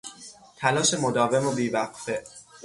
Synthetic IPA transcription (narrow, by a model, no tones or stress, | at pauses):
t̪ʰælɒːʃe̞mo̞d̪ɒːve̞mobiːvæqfe̞ʔ